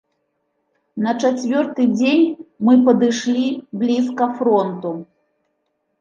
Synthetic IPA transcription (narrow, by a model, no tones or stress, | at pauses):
nɐt͡ʂat͡sʲvʲɔrt̪ɨd͡zʲenʲmɨpɐd̪ɨʂlʲiblʲiskɐfɾɔnt̪u